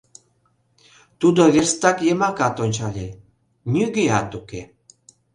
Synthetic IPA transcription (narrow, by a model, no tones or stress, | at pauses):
t̪ud̪oβerst̪ɑkjemɑkɑt̪onʲt͡ɕɑlʲe | nʲyɡeɑt̪uke